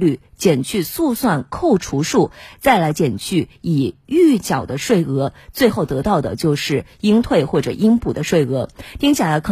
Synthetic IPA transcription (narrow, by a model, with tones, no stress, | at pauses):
ly˥˩ | t͡ɕjɛ˨˩nt͡ɕʰy˥˧su˥˧swa˥˧nkʰo˥˩ʊʈ͡ʂʰu˧˥ʂu˥˩t͡sa˥˩ɪla˧˥ɪt͡ɕjɛ˨˩nt͡ɕʰy˥˩i˨˩y˥˩t͡ɕjɑ˨˩ʊd̪ə˦ʂwe˥˩ɪɤ˧˥t͡swe˥˧ɪxo˥˩ʊt̪ɤ˧˥t̪ɑ˥˩ʊd̪ə̰˩t͡ɕjo˥˧ʊʂɻ̩˥˩i˥ŋt̪ʰwe˥˧ɪxwɔ˥˩ʈ͡ʂɤ̰˨˩ʔi˥ŋpʰu˨˩d̪ə˦ʂwe˥˩ɪɤ˧˥t̪ʰi˥ŋɕʰja˥˩la˧˥ɪkʰɤ˨˩